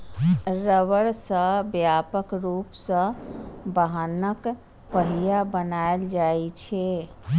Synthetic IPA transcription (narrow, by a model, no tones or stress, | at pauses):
ɾəʋəɾsə̃bjapəkɾupsə̃baɦanək | pəɦijabənaeld͡ʒaet͡ʃʰɛ